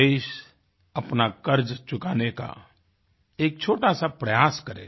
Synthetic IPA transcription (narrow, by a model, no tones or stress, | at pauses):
eɪʃ | ɐpnakəɾd͡ʒt͡ʃʊkaːneka̰ | eːk̚t͡ʃʰoːʈasapɾɐjaːskəɾḛ